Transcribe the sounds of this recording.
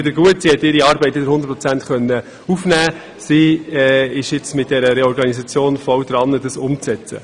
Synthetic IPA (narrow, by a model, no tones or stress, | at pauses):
d̪əɾɡuətsihɛtːɪɾiɑːɾbɛɪtːɪd̪əɾhʊndəɾpʰʁɔt͡sænt̪χœnːə | ufnæː | siɛɪʃɪt͡smɪt̚d̥ɛɾəɾeɔɾɡɑnisɑt͡sjoːnfɔwd̪ɾɑnːədɑsʊmt͡sɛt͡sə̰